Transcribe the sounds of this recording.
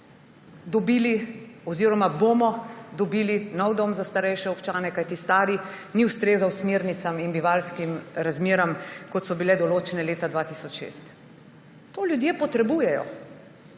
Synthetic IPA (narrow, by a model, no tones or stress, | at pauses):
d̪ɔbiːliɔziːɾɔmabomɔd̪ɔbiːlinɔwd̪omzast̪aɾɛjʃɛɔpt͡ʃaːnɛkajt̪ist̪aːɾiniwst̪ɾeːzawsmeːɾnit̪saminbiʋalskimɾazmeːɾamkɔt̪sɔbilɛd̪ɔloːt͡ʃɛnɛleːt̪ad̪ʋat̪isɔt͡ʃʃḛːst̪ | t̪oːlʲjud̪jepɔt̪ɾɛbujɛjɔ̰